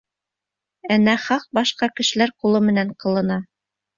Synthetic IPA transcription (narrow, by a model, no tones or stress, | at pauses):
ænːæχɑq̚bɑʃqɑkɘ̆ʃɘ̆læɾqulˠɤmɘ̆næɴqɤ̆lˠɤ̆nɑ